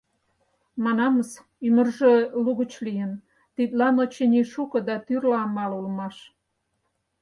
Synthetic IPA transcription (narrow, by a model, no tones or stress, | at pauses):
mɑnɑməs | ymərʒeluɣə̆t͡ɕlijən | t̪it̪lɑnot͡ɕenʲiʃukɤ̆d̪ɑt̪yrlɑmɑlulmɑʃ